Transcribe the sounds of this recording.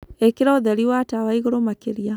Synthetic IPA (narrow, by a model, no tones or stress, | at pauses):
ekiɾaoðɛɾiwatawaiɣoɾomakeɾja